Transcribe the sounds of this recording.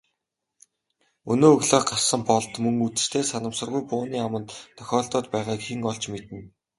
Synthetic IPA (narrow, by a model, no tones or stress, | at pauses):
ɵnoːɵɣɮoːɢasə̆mpɔɮt̪mɵŋut͡sɘ̆r̥t̪ʰeːsanə̆msə̆rʁujpʊːniːamə̆nt̪t̪ʰːœ̥xʲɔːɮt̪ɔːt̪pæːʁaːkxiŋɔɮt͡ɕmet̪ɘ̆n